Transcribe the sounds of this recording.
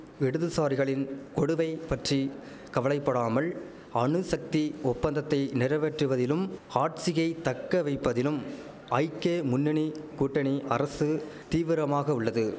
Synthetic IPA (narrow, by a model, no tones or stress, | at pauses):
ɛɽɯðɯsaːɾɪɣɐɭɪnkɔɽɯʋɐɪpɐʈri | kɐʋɐɭɐɪpːɐɽaːmɐl | ɐɳɯsɐk̚t̪iɔpːɐnd̪ɐt̪ːɐɪnɪɾɐʋɛʈrɯʋɐðɪlɯmaːʈ̚t͡ʃɪɣɐɪt̪ɐkːɐʋɐɪpːɐðɪlɯm | ɐɪkeːmʊnːɪɳikuːʈːɐɳiʔɐɾɐsɯ | t̪iːʋɪɾɐmaːɣɐʊɭːɐðɯ